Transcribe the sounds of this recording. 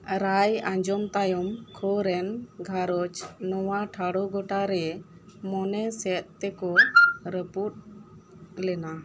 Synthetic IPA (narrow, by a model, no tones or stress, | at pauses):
ɾajãɲd͡ʒɔmt̪ajɔmkʰɔɾɛnɡʱaɾɔt͡ʃnɔwaʈʰaɽɔɡɔʈaɾɛ | mɔnɛsɛt̪̚ˀt̪ɛkɔɾəput̚ | lɛna